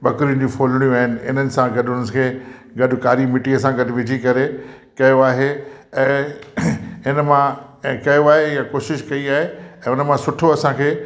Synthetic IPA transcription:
ɓɐkɾiʊ̃d͡ʑũfʰoːlɽ̃ijũaːɦɪnɪ̆ɪ̰nənɪ̆sãɡɐɗɦʊnənɪkʰeːɡɐɗʊ̆kaːɾimɪʈiɐsãɡɐɗʊ̆ʋɪd͡ʑʱikɐɾe | kɐjoaːɦe | ɛ̃ː | ɦɪnmã | kɐjoaːɦejakoːʃɪʃkɐiaːɦeɛ̃ːʊnəmãsʊʈʰoɐsãkʰeː

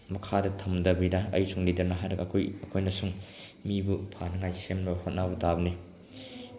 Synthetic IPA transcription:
mɐkʰadɐtʰɐmdɐbidɐɐ̰jsuŋlidɐɾnɐɦajɾɐɡɐkʰojɐkʰojnɐsuŋ | mibupʰanɐŋajsemlɐbhot̚nabutabɐni

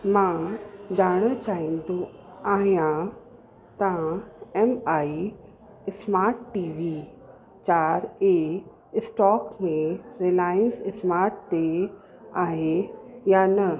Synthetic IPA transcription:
mãd͡ʑaːɽ̃ət͡ɕaːɦind̪oaːɦijã | t̪ãɛmai | ɪsmaːɾʈːiʋi | t͡ɕaːɾe | sʈɔːkmẽɾelaːɪənsɪsmaːɾʈt̪e | aːɦejanə

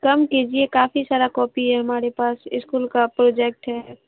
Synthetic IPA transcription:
kɐmkid͡ʒiekaːfisaːɾakɔːpiɦɛɦɐmaːɾepaːsɪskuːlkapɾoːd͡ʒɛk̚ʈɦɛ

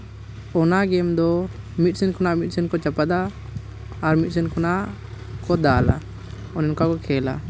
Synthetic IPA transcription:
ɔnaɡɛmd̪ɔ | mit̪̚sɛnkʰɔnaʔmit̪̚sɛnkɔt͡ʃapad̪aː | ɾmit̪̚sɛnkʰɔnaʔ | kɔd̪ala̰ | ɔnɛnkakɔkʰɛla̰

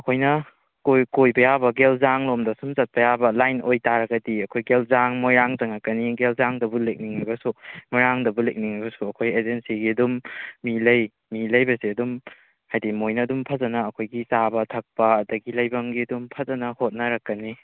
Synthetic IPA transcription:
ɐkʰojnɐ | kojkojbɐjabɐɡelzaŋlomdɐsumzɐt̚pɐjabɐlajnojtaɾɐɡɐdiɐkʰojɡelzaŋmojɾaŋzɐŋakːɐniɡelzaŋdɐbulek̚niŋajbɐsumiɾaŋdɐbulek̚niŋajbɐsuɐkʰojezensiɡiɐdumːilɐj | milɐjbɐsiɐdum | hajdimojnɐːdumpʰɐzɐnɐːkʰojɡisabɐtʰɐk̚pɐːdɐɡilɐjbɐŋɡidumpʰɐzɐnɐhot̚nɐɾɐkːɐni

